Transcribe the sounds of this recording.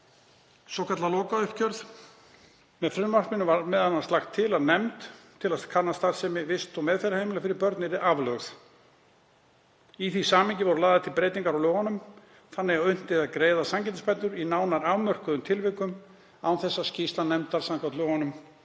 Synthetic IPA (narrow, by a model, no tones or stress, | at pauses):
sɔwkʰat̪lalɔːkaʏhcœɾθ | mɛðfɾʏmːar̥pmɪnʏmvaɾmɛðhanːast̪axt̪ʰːɪlaðnɛmt̪ʰː | ɪlakʰanast̪aɾsɛmɪvɪst̪ɔmɛðfejɾahejmɪlafɪɾɪɾpœɾt̪nɪɾɪʔavlœɣθ | iθisaːmɪɲcɪvɔɾʏlaːðat̪ʰɪlpɾeːjt̪iŋkaɾawlœːɣanʏm | θanːɪɣawʏn̥t̪ɪðaðkɾeːjðasamcɛnt̪ɪspɛnt̪ːʏɾinaːwnaɾaːwmœr̥kʏðʏmt̪ʰɪlvɪkʏm | awθɛsːascist̪anɛmt̪aɾ̥saŋkʰat̪lœːɣanʏm